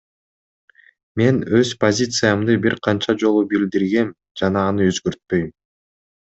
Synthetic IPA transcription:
me̞nøz̥pozʲit̪sɨjamd̪ɯbiɾqʰɑnt͡ʃɑd͡ʒo̞lˠubild̪iɾɡe̞m | d͡ʒɑnɑːnɯøzɡø̞ɾt̪̚pø̞jm

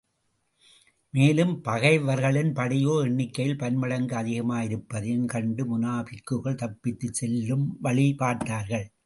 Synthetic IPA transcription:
meːlɯmpɐɣɐɪʋɐɾɣɐɭɪnpɐɽɪjoːɪɳːɪkːɐjɪlpɐnmɐɽɐŋɡɯɐðɪɣɐmaːjɪɾɯpːɐðɪnkɐɳɖɯmʊnaːpɪkːɯɣɐɭt̪ɐpːɪt̪ːɯt͡ʃsɛlːɯmʋɐɭɪpaːʈːaːɾɣɐɭ

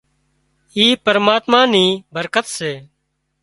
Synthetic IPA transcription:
iːpəɾmaːt̪mãːnĩːbʱəɾkət̪seː

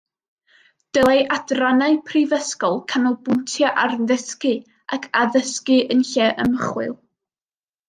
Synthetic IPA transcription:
d̥əlˠeʔadranaɨpʰrivəskɔlˠkʰanɔbʊntʰjaʔarnðəskɨ | akʰaðəskɨənɬɛʔəməχwɨ̰lˠ

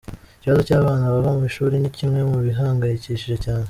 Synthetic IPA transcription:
iciβazo̞caːβaːnaβaβamuβiʃuːɾinicimŋe̞muβiɦaːŋɡajiciʃiʒecaːne

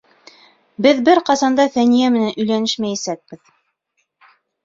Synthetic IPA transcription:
bɘðbɘɾqɑsɑnd̪ɑθænijæmɘ̆nænʔɵ̆jlænɘʃmæjisæk̚b̥ɘð

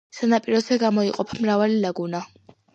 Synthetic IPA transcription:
sanapʼiɾɔzɛɡamɔiqʼɔpʰamɾavalilaɡuna

